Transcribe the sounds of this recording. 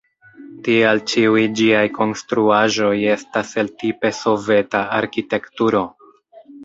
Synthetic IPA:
tialt͡ʃiujd͡ʒiajkʰo̞nstɾuaʒo̞je̞stase̞ltipe̞so̞ve̞taaɾkite̞ktuɾo̞

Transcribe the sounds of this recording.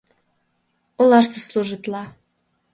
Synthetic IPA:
olɑʃt̪əsluʒit̪lɑ

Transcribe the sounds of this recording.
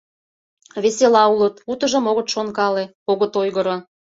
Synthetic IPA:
βeselɑulət̪ut̪ə̆ʒə̆moɣət̪ʃonkɑle | oɣət̪ojɣə̆ɾo

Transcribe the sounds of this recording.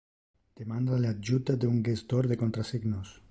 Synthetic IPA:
d̪̥emand̪alad͡ʒut̪ad̪euŋɡest̪oɾðekont̪ɾasiɡnos

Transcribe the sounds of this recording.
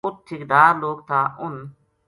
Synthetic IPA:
ʊt̪ʰːɪkd̪aːɾloːk̚t̪ʰaːʔʊn

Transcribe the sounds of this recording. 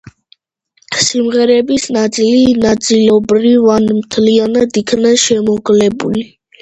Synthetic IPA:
simʁɛɾɛbisnat̪sʼilinat̪sʼilɔbɾivanmt̪ʰlianad̪ikʰnaʃɛmɔɡlɛbṵli

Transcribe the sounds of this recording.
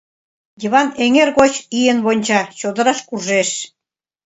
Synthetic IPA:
jiβɑneŋerɣot͡ɕijenβonʲt͡ɕɑt͡ɕod̪ɤ̆ɾɑʃkurʒeʃ

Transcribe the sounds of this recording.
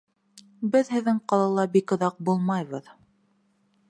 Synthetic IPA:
bɘðɦɘ̆ðːɘŋqɑlˠɑlˠɑbikŏðɑq̚bulˠmɑjβɤð

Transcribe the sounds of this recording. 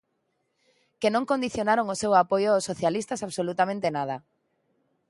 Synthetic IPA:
kenõŋkõnd̪iθjonaɾoŋosewapojʊaosːoθjalist̪asaβsolut̪amẽnt̪enað̞ɐ

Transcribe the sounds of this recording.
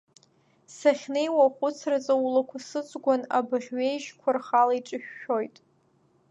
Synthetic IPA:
saχʲne̞jwaχʷʊt͡sʰrat͡sʼawulakʷʰasɨt͡sʷʼɡʷanabɨʁʲɥejʒkʷʰarχalaiʈ͡ʂʼɨʃᶣːo̞jtʼ

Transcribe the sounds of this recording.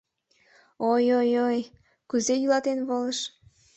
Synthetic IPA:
ojojoj | kuzejylɑt̪enβoləʃ

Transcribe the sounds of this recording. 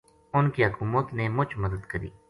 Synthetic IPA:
ʊnkiɦəkuːmət̪nemʊt͡ʃʰməd̪əd̪kəɾḭː

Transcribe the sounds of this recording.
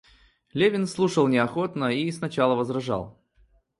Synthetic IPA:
lʲevʲɪnslˠuʂəlˠnʲɪɐxo̞t̪nəisnɐt͡ɕalˠəvəzrɐʐa̰lˠ

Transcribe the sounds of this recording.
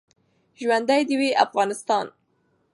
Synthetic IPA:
ʒwand̪ajd̪əweʔafɣɑnɪst̪ɑn

